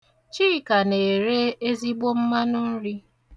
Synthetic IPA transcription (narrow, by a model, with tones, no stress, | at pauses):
t͡ʃi˦i˨ka˨ne˨ɾe˦e˦zi˦ɡ͡bo˦m̩˦ma˦nʊ˦n̩˦ɾi˦